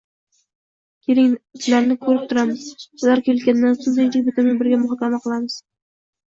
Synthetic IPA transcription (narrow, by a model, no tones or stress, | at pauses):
kʲʰeɾɪŋzlaɾnɪkʰɵɾɪp̚t̪ʰʊɾamɪz̥ʊlaɾkʲʰelkʲand̪ːansonzeŋt̪ɪk̚ʲbɪt̪ʰɪmɪŋbɪɾɡʲamʊχɒkʲʰamaqʰɨlˠamɪz̥